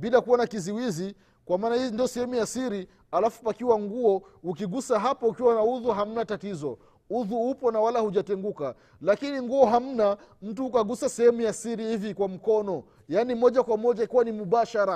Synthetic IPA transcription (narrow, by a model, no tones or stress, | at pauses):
bilakuwanakiziwizi | kwamaːnaindijɔsɛhɛmujasiɾi | alafupakiwaŋɡuɔukiɠusaɦapɔukiwanauðuɦam̩natatizɔ | uðuupɔnawalahuʄatɛŋɡuka | lakiniŋɡuɔɦam̩nam̩tuhukaɡusasɛhɛmujasiɾihivikwam̩kɔnɔ | janimɔʄakwamɔʄaikiwanimuɓaʃaɾa